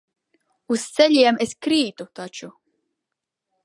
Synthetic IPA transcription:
ust̪sɛʎʲiɛmeskɾiːt̪ut̪at͡ʃu

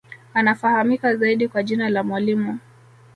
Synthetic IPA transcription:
anafahamikazaiɗikwaʄinalamwalimu

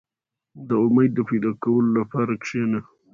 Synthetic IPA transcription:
d̪əʊmajd̪̚ːəpejd̪ɑkawəlolapɑɾakʂena

